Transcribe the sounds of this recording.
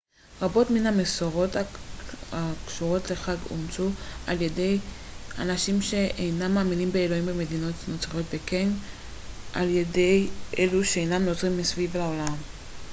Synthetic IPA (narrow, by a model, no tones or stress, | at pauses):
ʁabo̞tminhamesoʁo̞ta | akʃuʁo̞tle̞χaɡo̰mt͡suʔalje̞de̞j | a̰naʃimʃe̞ʔejnamːaːminimbe̞elo̞imbeme̞dino̞tno̞t͡saʁo̞tbeken | ʔa̰lje̞de̞jʔeluʃeejnamnot͡sʁimːisvivlao̞lam